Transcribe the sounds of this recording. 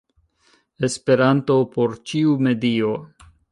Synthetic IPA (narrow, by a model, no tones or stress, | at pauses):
espe̞ɾanto̞po̞ɾt͡ʃiume̞dio